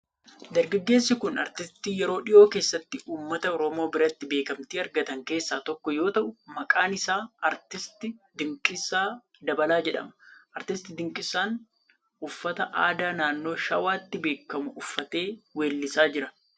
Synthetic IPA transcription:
d̪ɐɾɡɐɡːe̞ːsːɪkʊnɐ̰ɾt̪ɪst̪iːjɛɾo̞ːᶑɪʔo̞ːke̞ːsːɐt̪ːɪʔuːmːɐt̪ɐɔɾɔmo̞ːbɪɾɐt̪ːɪbe̞ːkɐmt̪iːɐɾɡɐt̪ɐŋke̞ːsːaːt̪ɔkːɔjo̞ːt̪ɐʔʊmɐkʼaːnɪsaːɐɾt̪ɪst̪ɪd̪ɪŋkʼɪsːaː | d̪ɐbɐlaːd͡ʒɛᶑɐ̰mɐ̥ʔɐɾt̪ɪst̪ɪd̪ɪŋkʼɪsːaːn | ʊfːɐt̪ɐʔaːd̪aːnaːnːo̞ːʃɐwaːt̪ːɪbe̞ːkːɐmʊʔʊfːɐt̪e̞ːweːlːɪsaːd͡ʒɪɾɐ

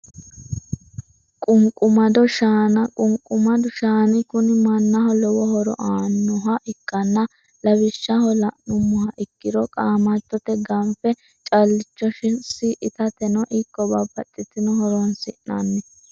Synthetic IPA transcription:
kʼʊŋkʼʊmɐd̪ɔʃaːnɐkʼʊŋkʼʊmɐd̪ʊʃaːnɪkʊnɪmɐnːɐɦɔlɛwɔhɔɾɔ̰ʔaːnːɔɦɐʔɪkːɐnːɐ | lɐbɪʃːɐhɔlɐnʊmːɔhɐʔɪkːɪɾɔkʼaːmɐt̪ːɔt̪ɛɡɐmfɛ | t͡ʃʼɐlːɪt͡ʃːɔʃɪnsɪʔɪt̪ɐt̪ɛnɔʔikːɔbabɐt̪ʼːɪt̪ːɪnɔhɔɾɔnsɪʔna̰nːɛ

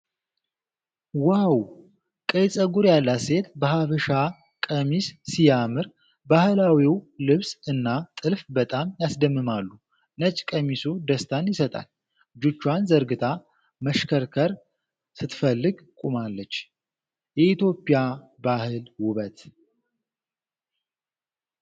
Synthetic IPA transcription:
waw | kʼəjsʼəɡuɾjalːase̞t̪bəhafɨʃa | kʼəmissijamɨɾ | bahɨlawiwlɨβsɨnːat̪ʼɨlfbət̪ʼamjasd̪əmːɨmalːu | nət͡ʃʼkʼəmisud̪əst̪ʰanjɪsət̪ʼa̰l | d͡ʒut͡ʃːwanzəɾɡɨt̪ʰa | məʃkʰəɾkʰəɾ | sɨt̪fəlːɨɡ | kʼumalːət͡ʃː | jɛit̪jo̞pʼija | bahɨlwʊβət̪

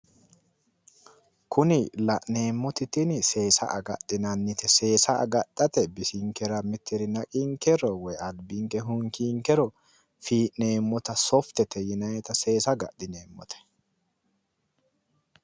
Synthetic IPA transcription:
kʊnɪlɐʔneːmːɔt̪ɪt̪ɪnse̞ːsɐ̰ʔɐɡɐ̰tːɪnɐnːɪt̪ɛse̞ːsɐʔɐ̰ɡɐt̪ːɐt̪ɛbɪsiŋkɛɾɐmɪt̪ːɪɾɪnɐkʼiŋkɛɾɔwɔjɐlbiŋkɛɦʊŋkiːŋkɛɾɔ | fiːʔneːmːɔt̪ɐsɔft̪ɛt̪ʰɛjɪnɐjɛt̪ɐse̞ːsɐɡɐ̰ʔɪneːmːɔ̰t̪ɛ̥

